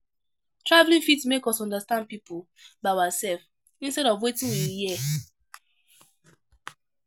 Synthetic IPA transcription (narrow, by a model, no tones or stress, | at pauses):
tɹavlĩnfitsmekɔsɔ̃ndastãnd̚pipʰo | baɪaasɛlf | ĩnstɛɾɔvwetĩnwiji